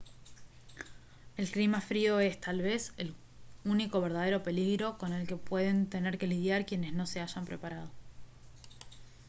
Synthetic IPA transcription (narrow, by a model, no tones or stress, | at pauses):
e̞lklimafɾio̞e̞st̪alβe̞sel | uniko̞β̞e̞ɾð̞að̞e̞ɾo̞pe̞liɣɾo̞ko̞ne̞lke̞pwe̞ð̞e̞nt̪e̞ne̞ɾke̞liðjaɾkje̞ne̞sno̞se̞aʒampɾepaɾað̞o̞